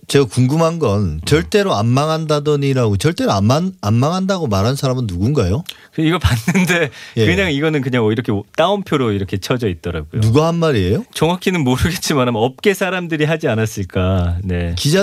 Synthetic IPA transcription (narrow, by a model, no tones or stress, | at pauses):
t͡ɕe̞ɡakuŋɡɯmɦanɡʌnt͡ɕʌɭt͈e̞ɾoanːaŋɦandadʌniɾaɡot͡ɕʌɭt͈e̞ɾoaanamːaŋɦandaɡomaɾɦansʰaɾamɯnːuɡunɡajokɯiɡʌpanːɯnde̞je̞kɯɲaŋiɡʌnɯnkɯɲaŋʌiɾʌkʰet͈aumpʰjoɾoiɾʌkʰe̞t͡ɕʰʌd͡ʑʌit̚t͈ʌɾa̰ɡojnouɡaɦanmaɾiejot͡ɕʌŋɦakʰinɯnmoɾɯɡe̞t̚t͡ɕ͈imanamʌp̚k͈e̞sʰaɾamdɯɾiɦad͡ʑianas͈ɯɭk͈ane̞kid͡ʑa